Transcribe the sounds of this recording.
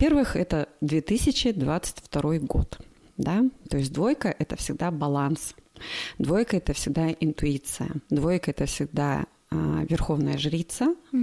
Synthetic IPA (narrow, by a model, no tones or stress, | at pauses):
vɐpʲervɨxɛt̪əd̪vʲet̪ɨsʲɪt͡ɕɪd̪vat̪sɨ̥tʲft̪ɐɾo̞jɡo̞̰t̪ | d̪at̪o̞ɪsʲtʲd̪vo̞jkəʔɛt̪əfsʲɪɡ̚d̪abɐlˠansd̪vo̞jkəɛt̪əfsʲɪɡ̚d̪aɪnt̪ʊit̪sɨjə̰d̪vo̞jkəɛt̪əfsʲɪɡ̚d̪a̰ | əvʲɪrxo̞vnəjəʐɾʲit̪sɨ